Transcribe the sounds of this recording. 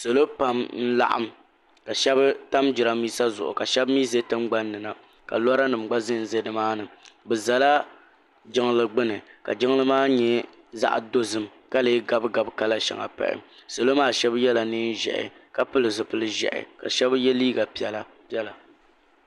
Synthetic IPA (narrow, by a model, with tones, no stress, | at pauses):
so˨lo˦pa˨mn̩˦la̰˨ʔa̰˦m | ka˨ʃɛ˦bɨ˦ta˦md͡ʒɪ˨ɾa˦miː˦sa˦zʊ̰˨ʔʊ̰˨ka˨ʃɛ˦bmiː˦ze˦tɨ˦mɡ͡ba˦nːɨ˨na˨ | ka̰˨lɔ˦ɾa˦nɨ˨m˨ɡ͡ba˦zɨ˦n̩˨ze˦dɨ˦maː˦nɨ˨bɛ˨za˨la˦ | d͡ʒɪ˦ŋ˦lɨ˨ɡ͡bɨ˦nɨ˨ka̰˨d͡ʒɪ˦ŋ˦lɨ˦maː˦ɲɛ˦ | za̰˦ʔdo˦zɨ˨m | ka˦le˨˦ɡa˦˨bɡa˨bka˦la˦ʃa̰˨ŋa̰˨pa̰˨ʔɪ̰˨mso˨lo˦maː˦˨ʃɛ˦bjɛ˦la˨nɨː˦n˦ʒɛ̰˨ʔɪ̰˨ka˨pɨ˦lɨ˨zɨ˨pɨ˦lɨ˦ʒɛ̰˨ʔɪ̰˨ka̰˨ʃɛ˦bjɛ˦liː˦ɡa˨pi˦˨ɛ˨la˦ | pi˦ɛ˦la˨